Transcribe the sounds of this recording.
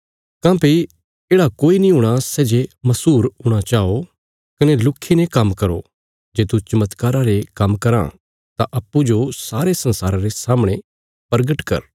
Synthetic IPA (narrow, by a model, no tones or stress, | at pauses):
kãːpi | eːɽakoːinĩɦʊ̃ːɽ̃asɛːd͡ʒemɐsuːɾɦuɽ̃at͡ʃaːo | kɐnelʊkʰːenekɐmːkɐɾo̰ | d͡ʒeːt̪ut͡ʃɐmət̪kaːɾaɾekɐmkɐɾã̰ | t̪aʔɐpːud͡ʒosaːɾesɐ̃nsaːɾãɾesaːmɽ̃ẽ | pɐɾɡəʈkɐ̰ɾ